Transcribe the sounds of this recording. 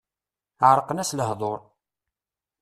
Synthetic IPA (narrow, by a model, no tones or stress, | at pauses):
ʕɾˤəqənæsləhðˤoɾˤ